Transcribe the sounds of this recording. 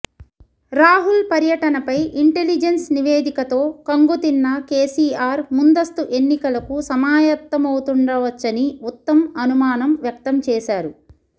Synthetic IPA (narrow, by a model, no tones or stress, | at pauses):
ɾaːɦulpɐɾjɐʈɐnɐpɐjiɳʈelid͡ʒensniʋeːd̪ikɐt̪o̞ːkɐŋɡut̪inːɐkeːsiːaːɾmund̪ɐst̪uʔe̞nːikɐlɐkusɐmaːjɐt̪ːɐmɐwut̪uɳɖɐʋɐt͡ʃːɐniut̪ːɐmɐnumaːnɐmʋjɐk̚t̪ɐmt͡ʃɛːʃaːɾu